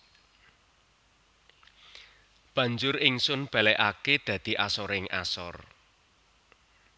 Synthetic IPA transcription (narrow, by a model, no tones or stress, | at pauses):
b̥ä̤ɲd͡ʒʊɾɪŋsʊnb̥a̤lɛʔaked̪̥ä̤d̪̥i̤ʔasɔɾɪŋa̰sɔ̰r